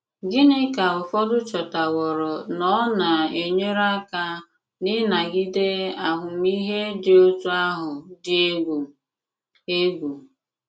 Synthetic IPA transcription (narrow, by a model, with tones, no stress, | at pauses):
ɡɪ˦nɪ˦ka˨ʊ˨fɔ˦dʊ˦t͡ʃɔ˨ta˨wɔ˨ɾɔ˨nɔ˦na˨e˨ɲe˦ɾa˦ka˦ | nɪ˦na˨ɡɪ˦de˦a˨ɦʊ˨m˦i˦ɦe˦dɪ˨˦o˦tu˦a˦ɦʊ˨dɪ˦e˦ɡʷu˨ | e˦ɡʷu˨